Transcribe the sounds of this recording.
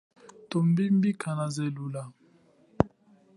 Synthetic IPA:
tombim̩bikʰanazɛlula

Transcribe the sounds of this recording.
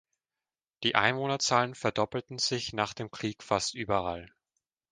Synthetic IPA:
d̥iːʔa̰ɪnvoːnɐt͡saːlənfɛɐdɔpl̩tn̩z̥ɪçnaːχd̥eːmkʁ̥iːkfastʔyːbɐal

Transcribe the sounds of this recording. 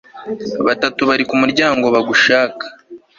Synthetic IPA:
βatatuβaɾikumuɾɟaːŋɡo̞βaɡuʃaːkḁ

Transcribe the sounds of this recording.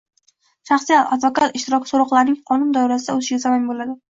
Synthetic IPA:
ʃaχsijat̪ad̪vokat̪ɪʃt̪ɪɾɒkʰʲsoɾɒqlˠaɾnɪŋqʰɒnʊnd̪ɒjɾasɪd̪aɵzɪʃɡʲasamanbolad̪ɪ

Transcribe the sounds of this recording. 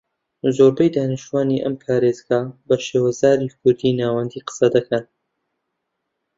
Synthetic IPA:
zoːɾbɐjd̪aːnɨʃt̪uwaːniʔɐmpʰaːɾeːzɡɐbɐʃeːwɐzaːɾiːkʰʊɾd̪iːnaːwɐnd̪iːqə̥sɐd̪ɐkʰɐn

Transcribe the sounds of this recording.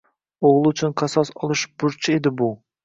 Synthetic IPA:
oʁlˠut͡ʃʰynqʰɑsɑsɑlˠɨʃb̥ʊɾt͡ʃʰied̪ɪbu

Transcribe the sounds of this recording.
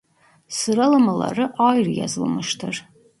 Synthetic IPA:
sɨɾalamala̰rɨʔajrja̰zɨlmɨʃtʰɨr

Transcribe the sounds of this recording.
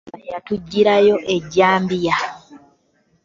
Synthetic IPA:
jatuɟːiɾajo̞ʔe̞ɟːaːmbija

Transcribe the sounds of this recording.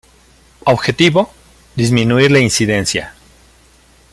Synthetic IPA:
oβxe̞t̪iβo̞ | ðizmĩnuiɾlainsiðe̞nsja̰

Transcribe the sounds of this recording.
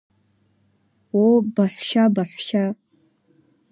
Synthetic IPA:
wobaħʷʃabaħʷʃa

